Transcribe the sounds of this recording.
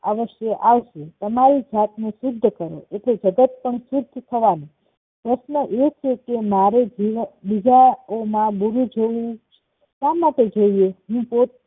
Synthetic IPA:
aʋəʃjəʔaʋʃet̪əmaɾid͡ʒʱat̪nũsʊd̪ʱːəkəɾo̰eʈled͡ʒəɡət̪̚pəɳsʊd̪ʱːt̪ʰəʋani | pɾəʃnəʔet͡ʃʰekemaɾed͡ʒiʋbid͡ʒaomãbuɾũd͡ʒoĩ | t̪amaʈed͡ʒoieɦũpot̪̚

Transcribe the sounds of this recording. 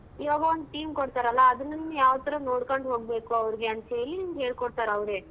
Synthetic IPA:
iʋaːɡɐond̪uʈiːmkoɽt̪aːɾɐlːɐːd̪ɐnːɐninːujaːʋɐt̪ːɐɾɐno̞ːɽkoɳɖɦo̞ːɡ̚be̞ːkuɐʋɐɾiɡeɐnt̪ɦeːlinimɡɦe̞ːɭkoɽt̪aːɾɐʋɾe

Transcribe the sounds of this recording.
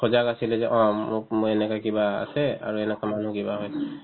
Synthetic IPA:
kʰɔzakasilɛzɛʔɔ̃mʊkmuɛnɛkakibaa̰sɛa̰ɹuɛnɛkaman̤ukibaɦɔjɛ

